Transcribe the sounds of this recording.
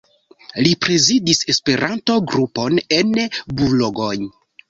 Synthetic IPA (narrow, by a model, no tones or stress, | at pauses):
lipɾe̞zidise̞spe̞ɾʔanto̞ɡɾupo̞ne̞nbuloɡoj